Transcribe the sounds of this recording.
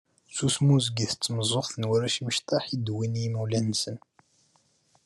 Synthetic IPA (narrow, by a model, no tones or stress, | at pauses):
susmuzɡiθət͡sːməzˤoχθənwəɾæʃiməʃt̪ɑħid̪winiməwlænːsən